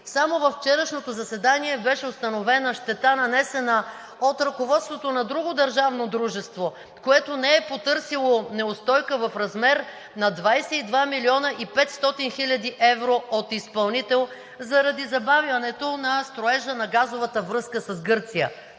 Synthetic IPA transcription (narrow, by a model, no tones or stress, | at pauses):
samovɐfːt͡ʃɛɾəʃnot̪ozɐsɛd̪aniɛbɛʃɛost̪ɐnovɛnɐʃt̪ɛt̪anɐnɛsɛnə | ot̪ɾɐkovɔt̪st̪vot̪onɐd̪ɾuɡod̪ɐɾʒavnod̪ɾuʒɛst̪vo | koɛt̪onɛɛpot̪ɤɾsilˠonɛost̪ɔjkəvɐfɾɐzmɛɾ | nɐd̪vajsɛid̪vamilʲiɔnəʔipɛt̪st̪ɔt̪inxilʲɐd̪iʔɛvɾoot̪ispɐlˠnit̪ɛlˠ | zɐɾɐd̪izɐbaviɐnɛt̪onɐst̪ɾoɛʒənɐɡazovət̪əvɾɤskəsɐzɡɤɾt̪sijə̰